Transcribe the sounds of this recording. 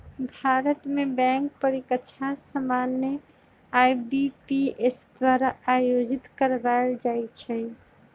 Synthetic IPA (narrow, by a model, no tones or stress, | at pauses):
bʱaɾət̪mebɛ̃ŋk̚pəɾikətːt͡ʃʰasəmanjə | ajbipiesd̪waɾaːjod͡ʒit̪kəɾbaeld͡ʒajt͡ʃʰɛ